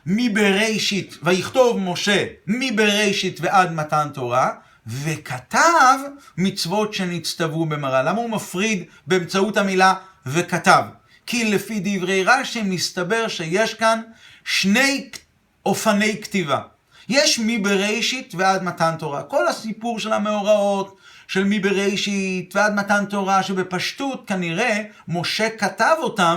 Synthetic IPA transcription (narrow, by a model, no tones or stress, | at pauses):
mibeʁejʃitvajiχto̞vmo̞ʃe̞mibeʁe̞jʃitveʔad̪matanto̞ʁa | ve̞kʰat̪avmit͡svo̞tʃe̞nit͡st̪avube̞maʁalamaumafʁid̪ | beːmt͡sautamila | ve̞katav | kʰilefid̪ivʁejʁaʃimist̪abe̞ʁʃeje̞ʃkanʃne̞j | ʔo̞fane̞jktiva̰ | je̞ʃmibeʁejʃitvead̪matanto̞ʁako̞lhasipuʁʃe̞lhame̞oʁao̞tʃe̞lmibeʁejʃitvead̪matanto̞ʁaʃe̞bepaʃtutkaniʁe̞ | mo̞ʃe̞katavo̞tam